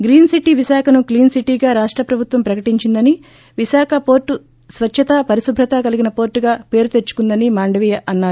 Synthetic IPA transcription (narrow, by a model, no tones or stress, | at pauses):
ɡɾiːnsiʈiʋiʃaːkʰɐnukliːnsiʈiːɡaːɾaːʂʈɾɐpɾɐbʱut̪ʋɐmpɾɐkɐʈiɲt͡ʃind̪ɐni | ʋisaːkʰɐpo̞ːɾʈːu | sʋɐt͡ʃːt͡ʃʰɐt̪ɐpɐɾisubʱɾɐt̪aːkɐliɡinɐpo̞ːɾʈːuɡaːpe̞ːɾut̪et͡ʃːu̥kund̪ɐnimaːɳɖɐʋiːjɐʔɐnːaːɾu